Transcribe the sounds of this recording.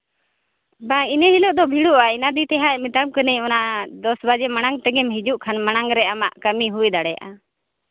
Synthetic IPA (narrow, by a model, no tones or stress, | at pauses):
bainəɦilɔʔd̪ɔbʱiɽuʔainad̪it̪ɛɦamit̪am̚kənəjɔnaʔd̪ɔsbad͡ʒɛmañaŋɡt̪ɛɡɛmhid͡ʒuʔkʰanmanaŋɾɛʔama̰ʔkəmiɦuɛd̪aɽɛja̰ʔa̰